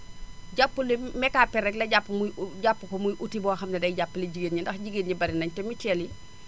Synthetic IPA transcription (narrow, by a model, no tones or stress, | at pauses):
ɟapːulimɛkapɛɾɛklɐɟapːmuɟapːukɔmujʔutibɔːxɐmnɛdɐjɟapːliɟiɡenɲindɐxɟiɡenɲibɐɾinɐɲtɛmitɛli